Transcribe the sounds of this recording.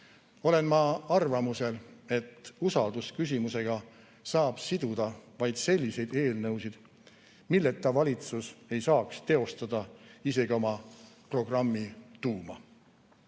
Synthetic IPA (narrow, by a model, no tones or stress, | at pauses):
o̞le̞nmɑɑrvɑmuse̞le̞t̪ːˑusɑld̪uskys̬ʲimuse̞ɡ̥ɑ | sɑːb̥sid̪̥ud̪̥ɑvɑjd̪̥se̞lʲːise̞jd̪e̞ːlnɤwsid̪̥ | milːet̪ːɑvɑlʲit̪suse̞jsɑːkst̪e̞o̞st̪ɑd̪̥ɑise̞ɡio̞mɑpro̞ɡ̥rɑmːit̪uːmɑ̰